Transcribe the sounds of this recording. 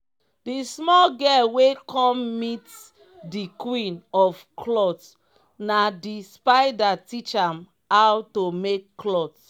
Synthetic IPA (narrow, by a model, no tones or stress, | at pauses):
dismɔlɡɛwekʰɔ̃mmit | dikwĩnɔfkʰlɔt | nadispaɪdatit͡ʃãm | awtomekːlɔt